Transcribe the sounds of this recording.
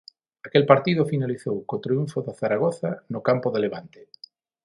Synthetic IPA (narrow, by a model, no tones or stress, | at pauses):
akelpaɾt̪iðʊfinaliθowkot̪ɾiuɱfʊðaθaɾaɣ̞oθanʊkampoðeleβ̞ant̪e̥